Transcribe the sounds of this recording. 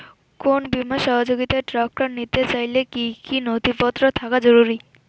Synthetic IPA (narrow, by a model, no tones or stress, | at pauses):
konbimaʃɔɦod͡ʑoɡit̪aʈɾakːɾannit̪et͡ɕajlekikinod̪ʱipɔt̪ːɾot̪ʰakad͡ʑoɾuɾi